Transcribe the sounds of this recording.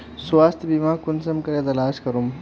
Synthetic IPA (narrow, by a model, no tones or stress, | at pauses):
swaːst̪ʰbimaːkunsɐmkɐɾet̪ɐlaːʃkɐɾum